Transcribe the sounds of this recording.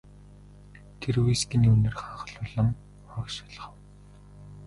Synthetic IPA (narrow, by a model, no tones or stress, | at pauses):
t̪ʰerwujskʲĭniunɘ̆rχaːχə̆ɮʊɮə̆m | ɔːkʃḁɮ̆χə̆w